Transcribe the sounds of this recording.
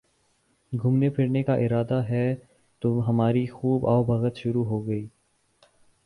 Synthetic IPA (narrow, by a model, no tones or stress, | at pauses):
ɡʱʊmnepʰɪɽnekaʔɪɾaːd̪aɦɛ | t̪oɦɐmaːɾixuːbɔːbɐɣət̪ʃʊɾuɦoɡɐiː